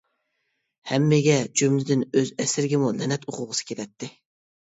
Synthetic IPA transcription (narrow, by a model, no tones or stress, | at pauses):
hɛmːɪɡʲɛd͡ʒymlɪd̪ɪnøzɛsɪɾɪɡʲɪmulɛnɛt̪oqʰʊʁəsɨ̥kʲʰelɛt̪ʰːɪ